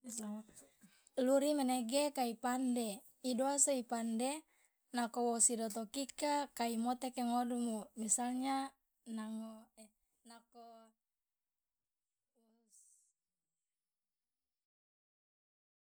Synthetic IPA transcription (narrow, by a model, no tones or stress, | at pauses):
isa | luɾimaneɡekaipande | idoasoipande | nakowosidot̪okikakaimot̪ekeŋodumumisalɲa | naŋo | nako